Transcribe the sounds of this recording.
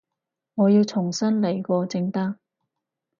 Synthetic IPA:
ŋɔː˨˧jiː˧wt͡sʰʊ˨˩ŋsɐ˥nlɐ˨˩jkɔː˧t͡sɪ˧ŋt̪aː˥ŋ

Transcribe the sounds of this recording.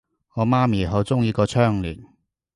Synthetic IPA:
ŋɔː˨˧maː˥miː˨˩ɦo˨˥wt͡sʊ˥ŋjiː˨˧kɔː˧t͡ʃʰœː˥ŋlyː˨˩n

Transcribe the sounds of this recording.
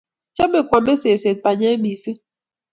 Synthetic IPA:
t͡ʃa˦me˨kwɔ˨be˦se˨se˨t̚pa˨ɲɛ˦bi˨si˦

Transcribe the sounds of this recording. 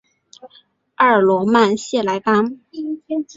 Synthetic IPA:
ɑ˞˥˩lwɔ˧˥ma˥˧nɕjɛ˥˩la˧˥ɪpa˥ŋ

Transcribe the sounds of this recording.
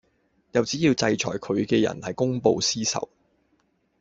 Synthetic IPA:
jɐ˨wt͡siː˨˥jiː˧wt͡sɐ˧jt͡ʃʰɔ̰ː˨˩jkʰɵ˨˧ɥkɛː˧jɐ̰˨˩nhɐ˨jkʊ˥ŋpo˧wsiː˥sɐ̰˨˩w

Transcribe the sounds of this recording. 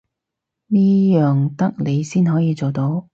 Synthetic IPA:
niː˥jœː˨ŋt̪ɐ˥k̚le˨˧jsiː˥nɦɔː˨˥jiː˨˧t͡so˨wt̪o˨˥w

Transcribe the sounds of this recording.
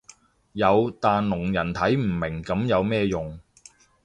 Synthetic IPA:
jɐ˨˧wt̪aː˨nlʊ˨˩ŋjɐ˨˩nt̪ʰɐ˨˥jm̩˨˩mɪ˨˩ŋkɐ˨˥mjɐ˨˧wmɛː˥˧jʊ˨ŋ

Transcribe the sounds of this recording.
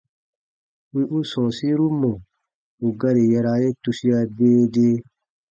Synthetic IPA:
wi˦ʔu˦sɔ̃˨si˦ɾu˦mɔ̃˨ | u˨ɡa˦ɾi˨ja˧ɾa˧˨je˦tu˧si˦a˧beː˦de˦

